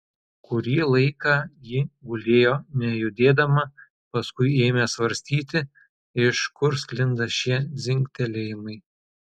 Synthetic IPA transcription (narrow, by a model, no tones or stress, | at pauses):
kʊɾʲiːlˠɐɪkɑːjɪɡʊlʲeːjoːnʲɛjʊd̪ʲeːd̪ɐmɐ | pɐskʊɪeːmʲɛsʋɐɾʲsʲt̪ʲiːt̪ʲɪ | ɪʃkʊɾsʲklʲɪnd̪ɐʃʲiɛzʲɪŋʲkʲt̪ʲɛlʲeːjɪmɐɪ